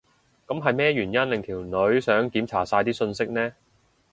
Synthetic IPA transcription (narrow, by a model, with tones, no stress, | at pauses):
kɐ˨˥mɦɐ˨jmɛː˥jyː˨˩njɐ˥nlɪ˨ŋt̪ʰiː˨˩wnɵ˨˥ɥsœː˨˥ŋkiː˨˥mt͡sʰaː˨˩saː˧jt̪iː˥sɵ˧nsɪ˥k̚nɛː˥